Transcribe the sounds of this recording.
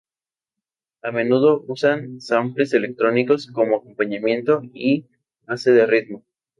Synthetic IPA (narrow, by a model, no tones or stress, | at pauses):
ame̞nuð̞o̞ʔusansamplese̞le̞k̚t̪ɾo̞niko̞sko̞mo̞ako̞mpaɲamje̞nt̪o̞i | βase̞ðe̞riðmo̞